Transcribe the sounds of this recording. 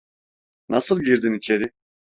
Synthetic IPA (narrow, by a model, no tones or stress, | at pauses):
nʔasɯlˠɡiɾd̪init͡ʃʰeɾi